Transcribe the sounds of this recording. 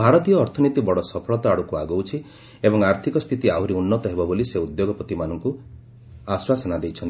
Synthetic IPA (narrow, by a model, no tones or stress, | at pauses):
bʱaɾɔt̪ijɔːɾt̪ʰɔnit̪ibɔɽɔsɔpʰɔɭɔt̪ɔaɽukuaɡowt͡ʃʰi | ebɔŋaɾt̪ʰikɔst̪ʰit̪iauɾiunːɔt̪ɔɦebɔboliseud̪joɡɔpɾɔt̪imanɔŋku | aswasɔnad̪ejt͡ʃʰɔnt̪